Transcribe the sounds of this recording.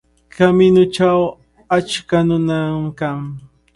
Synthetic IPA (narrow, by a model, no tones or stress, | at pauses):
kʰamɪnʊʈ͡ʂaw | at͡ʃkanʊnamkaŋ